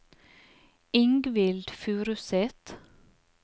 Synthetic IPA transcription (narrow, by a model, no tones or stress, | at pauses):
ɪŋɡʋɪld̪fʉːɾʉsɛt̪